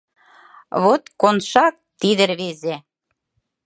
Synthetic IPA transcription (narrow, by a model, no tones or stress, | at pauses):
βot̪konʃɑk̚t̪id̪ə̆ɾβeze